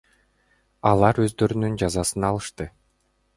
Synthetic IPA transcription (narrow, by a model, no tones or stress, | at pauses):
ɑlˠɑɾø̞zd̪ø̞ɾynynd͡ʒɑzɑsɯnɑlˠɯʃt̪ɯ